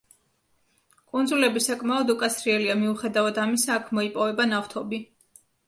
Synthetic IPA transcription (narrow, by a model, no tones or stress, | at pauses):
kʼund̪zulɛbisakʼmaɔd̪ukʼasɾiɛliamiuχɛd̪avad̪amisaːkʰmɔipʼɔvɛbanaft̪ʰɔbi